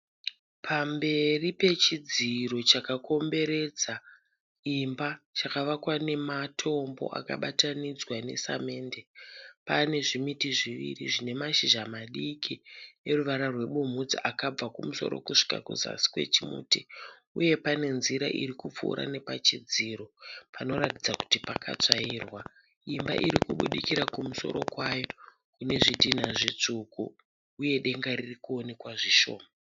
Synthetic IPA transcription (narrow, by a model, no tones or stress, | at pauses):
pʰambe̞ripe̞t͡ʃid͡ziro̞t͡ʃakako̞mbe̞ɾe̞d͡za | imbat͡ʃakaʋakwane̞matʰo̞mbo̞̰ʔa̰ka̰ɓatanid͡zwane̞̰sa̰me̞ːnde̞pane̞ʐimitiʐiʋḭriʐine̞maʃiʒamaɗikʰine̞ruʋaɾarwe̞ɓum̤ud͡ziʔakab͡vakumuso̞̰ɾo̞̰kuʂi̥ka̰kṵza̰si̥kwe̞̰t͡ʃimṵːti | uje̞pane̞nziɾaʔḭɾikup͡fṵɾa̰ne̞pat͡ʃid͡ziːɾo̞pano̞ɾatid͡zaku̥tipaka̰t͡ʂaiːrwa | imba̰ʔiɾikuɓuɗikiɾakumuso̞̰ɾo̞̰kwajo̞ | kune̞ʐidʱin̤aʐit͡ʂukṵ | uje̞ɗe̞ŋɡaririkuone̞kwaʐiʃo̞̰ːma